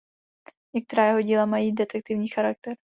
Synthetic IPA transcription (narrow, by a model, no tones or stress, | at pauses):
ɲɛk̚t̪ɛɾaːjɛɦo̞ɟiːlamajiːdɛt̪ɛk̚t̪ɪvɲiːxaɾak̚t̪ɛɾ